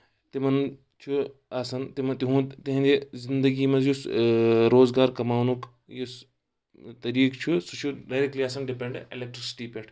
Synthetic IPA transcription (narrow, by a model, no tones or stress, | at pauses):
t̪imɐn | t͡ʃʰuaːsɐnt̪imɐt̪iɦũːd̪t̪iɦĩnd̪ezind̪ɐɡiːmɐzjusɾoːzɡaːɾkɐmaːwnuk | jus | t̪ɐɾiːkt͡ʃʰusut͡ʃʰuɖaɾekliːaːsɐnɖipeɳɖḛlek̚ʈɾisi̥ʈiːpeʈʰ